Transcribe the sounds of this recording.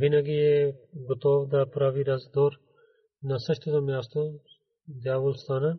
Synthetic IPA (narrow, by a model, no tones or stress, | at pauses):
bɪnaɡieɡʊt̪oːʋd̪aːpʊɾaːʋiːɾɐzd̪oːɾ | nasɐʃt̪ʰod̪omjaːst̪o | d̪jaːʋʊlst̪aːna